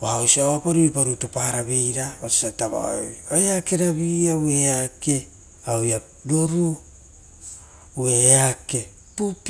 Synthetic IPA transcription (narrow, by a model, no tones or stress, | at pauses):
waosiaoapaɾujpaɾutopahaɾaβejɾaβasi̥ataβa̰joeake̞ɾaβiaweake̞ | aoja | doɾu | ueake̞ | pup